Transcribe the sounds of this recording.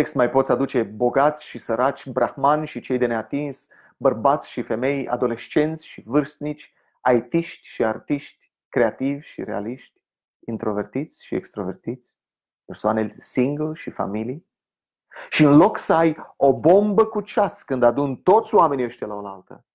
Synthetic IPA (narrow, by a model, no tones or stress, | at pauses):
ekst̪majpo̞t̪sʲad̪ut͡ʃe̞bo̞ɡat̪sʲʃisəɾat͡ʃʲbɾʔaxmanʲʃit͡ʃe̞jd̪e̞neat̪ins | bərbat̪sʲʃife̞me̞ja̰d̪o̞le̞ʃt͡ʃe̞nt̪sʲʃivɨrst̪̚nit͡ʃʲ | aet̪iʃt̪ʲʃiart̪iʃt̪ʲ | kɾe̞at̪ivʲʃḭɾe̞a̰liʃt̪ʲ | int̪ɾo̞ve̞rt̪it̪sʲʃiḛkst̪ɾo̞ve̞rt̪it̪sʲ | persoanelʲsiŋɡlʃifa̰milij | ʃiɨnlo̞ksəajo̞bo̞mbəkut͡ʃaskɨnd̪ad̪unt̪o̞t̪sʲowame̞niəʃt̪ʲalaolalt̪ə̰